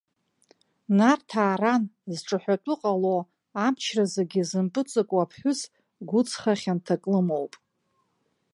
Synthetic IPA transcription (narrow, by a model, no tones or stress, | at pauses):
nartʰaːɾanzʈ͡ʂʼɨħʷᶣatʷʼʊqʼalo | amt͡ʃʰrazaɡʲɪzɨmpʼɨt͡sʼɨkʷʼapʰħʷᶣʊs | ɡʷʊt͡sʰχaχʲantʰakʼlɨmo̞wpʼ